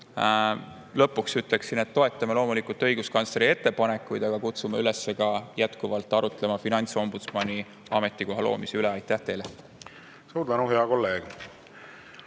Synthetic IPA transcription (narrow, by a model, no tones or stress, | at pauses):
lɤ̞pːuksyt̪ˑle̞ksine̞t̪ːo̞e̞t̪ːˑɑmelo̞ːmulikult̪ːɤ̞jɡ̥uskɑnsɾie̞t̪ːe̞pɑne̞kːˑujd̪̥ɑɡ̥ɑkut̪sumeyle̞sːe̞ɡɑjæt̪kuvɑlt̪ːˑɑɾut̪ˑle̞mɑfinɑnʲt̪so̞mbut̪smɑnʲi | ɑme̞t̪ːˑiko̞ɦɑlo̞̰ːmiseyleɑjt̪ːˑæht̪e̞jle | suːd̪ænuɦeɑko̞lːe̞ːɡ̥